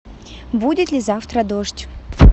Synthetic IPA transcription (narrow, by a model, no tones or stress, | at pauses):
budʲɪt̪lʲɪzaft̪ɾəd̪oʂtʲ